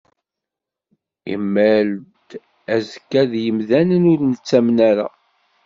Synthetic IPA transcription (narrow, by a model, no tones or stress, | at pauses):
ḭmːæld̪ | æzəkːæðjəmðænənʊɾnət͡sːæmnæɾa̰